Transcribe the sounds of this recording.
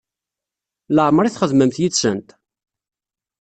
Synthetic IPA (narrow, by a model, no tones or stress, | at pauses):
ləʕmɾˤiθχəðməmθjit͡sːsənt̪